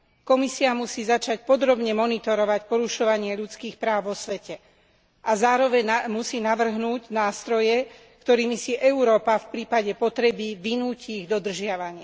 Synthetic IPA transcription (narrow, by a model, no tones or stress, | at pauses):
kɔmisiamusiːzat͡ʃac̚pɔd̪ɾɔbɲɛmɔnit̪ɔɾɔʋacpɔɾuʃɔʋaɲɪaʎut͡skiːxpɾaːʊʋɔsʋɛcɛ | ʔazaːɾɔʋɛɲmusiːnaʋr̩ɦnuːɟnaːst̪ɾɔjɛ | kt̪ɔɾiːmisiʔɛuɾɔːpafpɾiːpaɟɛpɔt̪ɾɛbiʋinuːciːɣd̪ɔd̪r̩ʒɪaʋaɲɪɛ